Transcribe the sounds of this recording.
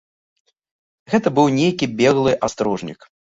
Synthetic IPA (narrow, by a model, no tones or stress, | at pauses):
ɣɛt̪ɐbɨwnʲejkʲibʲɛɣlˠɨʔast̪ɾɔʐnʲḭk